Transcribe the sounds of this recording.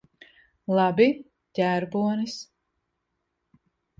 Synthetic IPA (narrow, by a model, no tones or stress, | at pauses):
lˠɑbi | ɟʲæːɾbuɔnis